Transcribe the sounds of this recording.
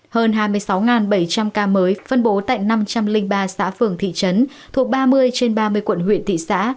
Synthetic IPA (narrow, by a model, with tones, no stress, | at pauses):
həː˧nɦaː˧jmɨ˧əjsa˨˦wŋaː˨˩nɓə˧˩jt͡ɕa˧mkaː˧məː˨˦jfə˧nɓo˨˦t̪a̰ː˧˨jna˧mt͡ɕa˧mlï˧ŋɓaː˧sa̰ː˧˥fɨ˨˩əŋt̪ʰḭ˧˨t͡ɕə˨˦n | t̪ʰu˨˩ək̚ɓaː˧mɨ˧əjt͡ɕe˧nɓaː˧mɨ˧əjkwə̰˧˨nɦwḭ˧˨ənt̪ʰḭ˧˨sa̰ː˧˥